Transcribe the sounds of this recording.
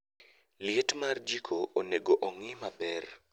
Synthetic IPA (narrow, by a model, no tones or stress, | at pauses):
lɪetmard͡ʒikʰoʔːneɡoʔɔŋɪmapɛr